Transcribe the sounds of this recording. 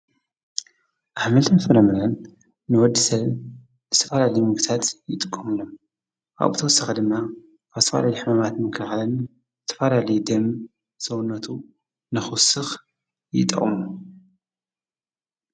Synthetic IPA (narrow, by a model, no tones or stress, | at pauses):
ʔaħmɐlt̪ʰɨnfɨɾɐmɨɾɐnː | ɨwɔd̪ːisɐβ | zɨ̥t̪ʰɐfalalɐjmɨɡt̪ʰat̪jɪt̪ʼɨkʼːɐmɨlom | kʰa̰βbɨt̪ʰɐwɔsːɐxɐd̪ɨmːa | kʰaɨt̪ʰɐfa̰lajiħɨmamat̪mɨkʰɨlxalɐn | zɨ̥t̪ʰːɐ̥falalɐjd̪ɐm | sɐwunːɐt̪ʰu | nɨxusɨx | jɪ̰t̪ʼɐ̰χʼmu